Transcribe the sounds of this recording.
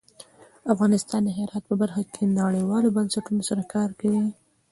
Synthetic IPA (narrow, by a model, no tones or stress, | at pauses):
afɣɑnɪst̪ɑnd̪əɦɪɾɑt̪̚pəbaɾxakʰenaɽəjwɑlobansaʈunosaɾakɑɾkawi